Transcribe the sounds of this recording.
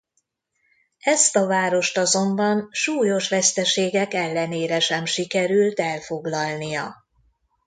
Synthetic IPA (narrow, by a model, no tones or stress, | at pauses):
ɛst̪ɒvaːɾo̞ʃt̪ɒzo̞mbɒnʃuːjo̞ʃʋɛst̪ɛʃeːɡɛkɛlːɛneːɾɛʃɛmʃikɛɾylt̪ɛlfoɡlɒlnijɒ̰